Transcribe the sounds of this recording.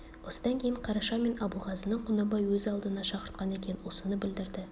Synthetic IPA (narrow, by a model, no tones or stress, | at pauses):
wo̞sə̥d̪ɑŋkʲʰe̞jɪɴqʰɑɾɑʃɑme̞nɑbulˠʁɑzənəɴqʰʊnɑbɑjwɵzɑlˠd̪ənɑʃɑqəɾt̪̚qɑne̞kʲe̞jɪnwo̞sənəbɪld̪ɪɾd̪ɪ